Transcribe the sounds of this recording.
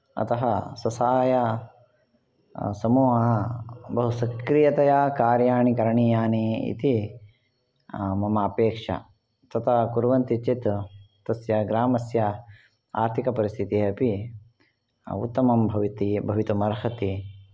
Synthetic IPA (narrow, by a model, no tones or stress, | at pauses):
ɐ̰t̪ɐɦɐsɐsaːjɐ | sɐmuːɦɐbɐɦusɐkɾijɐt̪ɐjaːkaːɾjaːɳikɐɾɐɳijaːniːḭt̪i | mɐmaːpeːkʂɐ̰ | t̪ɐt̪ʰɐkuɾʋɐnt̪it͡ʃit̪ | t̪ɐsjɐɡɾaːmɐsjɐ | a̰ːɾt̪ʰikɐpɐɾist̪ʰit̪iɐpi | ṵt̪ːɐmɐmbʱɐʋit̪ibʱɐʋit̪umɐɾɦɐt̪i